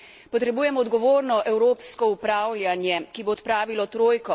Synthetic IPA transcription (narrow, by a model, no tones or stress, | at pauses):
pɔt̪ɾɛbuːjɛmɔːd̪ɡɔʋoːɾnɔʔɛwɾoːpskɔupɾaːwlʲjanjɛkiboːt̪pɾaːʋilɔt̪ɾoːjkɔ